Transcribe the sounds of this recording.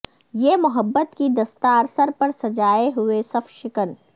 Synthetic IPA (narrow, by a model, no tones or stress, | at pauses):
jeːmʊɦəbːət̪kid̪ɐst̪aːɾsəɾpɐɾsɐd͡ʒaːeɦʊesɐfʃɪkən